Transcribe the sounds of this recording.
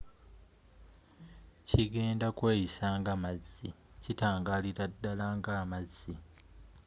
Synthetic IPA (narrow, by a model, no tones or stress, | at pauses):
ciɡe̞ːndakweːjisaːŋɡamazi | citaːŋɡaliɾadːalaːŋɡaːmazi